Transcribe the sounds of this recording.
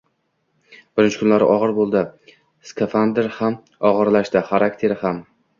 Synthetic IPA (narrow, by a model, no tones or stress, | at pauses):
b̥ɪɾɪnt͡ʃʰɪ̥kʰʊnlaɾɪ̰ʔɒʁɨɾbolˠd̪ɪ | skʰefand̪eɾham | ɒʁɨɾlaʃt̪ɪχaɾak̚t̪ʰe̞ɾɪham